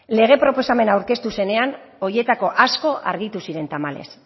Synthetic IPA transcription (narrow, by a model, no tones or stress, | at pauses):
le̞ɣ̞e̞pɾo̞po̞same̞nawɾke̞st̪use̞ne̞ano̞je̞t̪ako̞ʔasko̞ʔa̰ɾɣit̪usiɾe̞nt̪amale̞̰s